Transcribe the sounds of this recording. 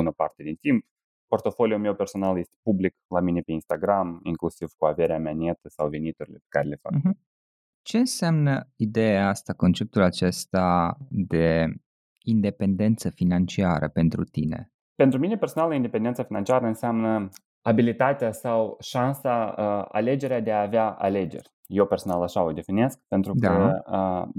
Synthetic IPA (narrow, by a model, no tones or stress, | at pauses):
bunəpa̰rt̪ed̪int̪imp | po̞rt̪o̞folijulme̞wperso̞nalje̞st̪epubliklamine̞peinst̪aɡɾamiŋklusiv̥kuave̞ɾeameaniet̪əsawvenit̪uɾilepe̥kaɾele̞fa̰ɦm̩ | t͡ʃe̞ɨnseamnəid̪e̞jaast̪ako̞nt͡ʃe̞p̚t̪ulat͡ʃe̞st̪ad̪e̞ | ind̪e̞pe̞nd̪e̞nt̪səfinant͡ʃiaɾʔə̰pe̞nt̪ɾut̪ine̞̰ | pent̪ɾumine̞perso̞naləind̪epe̞nd̪et̪safinant͡ʃiaɾəɨnseamnə | abilit̪at̪easawʃansaəa̰le̞d͡ʒe̞ɾead̪e̞aːveaa̰le̞d͡ʒe̞̰rʲ | jewpe̞rso̞nalaʃaod̪e̞fine̞sk̚pent̪ɾud̪aəə